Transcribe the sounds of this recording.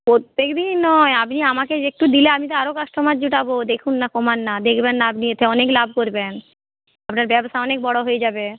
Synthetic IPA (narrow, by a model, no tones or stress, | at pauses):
pot̪ːekd̪inːɔjapniamakeek̚ʈud̪ileamit̪oaɾokaʃʈʰomad͡ʑuʈabod̪ekʰunːakomanːad̪ekʰbenːaapniet̪ʰeɔneklab̚ʱkoɾben | apnaɾbɛbʃaɔnek̚bɔɽoɦojed͡ʑabe